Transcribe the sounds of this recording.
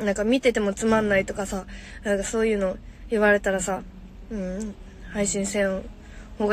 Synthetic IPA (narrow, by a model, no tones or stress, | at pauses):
nãŋkamʲit̪e̞t̪e̞mo̞t͡sɨmãnːait̪o̞kasanãŋkaso̞ːjɯ̟ːno̞iβaɾe̞t̪aɾasa | ɯ̟̃ɴ | haiɕĩɰ̃sẽ̞ | hoːɡ